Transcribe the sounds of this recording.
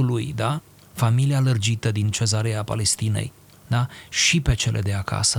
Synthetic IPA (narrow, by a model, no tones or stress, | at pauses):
ulujd̪a | familialərd͡ʒit̪əd̪int͡ʃe̞zaɾeapa̰le̞st̪inḛj | d̪aʃipe̞t͡ʃe̞lʔe̞̰d̪e̞akʰa̰sə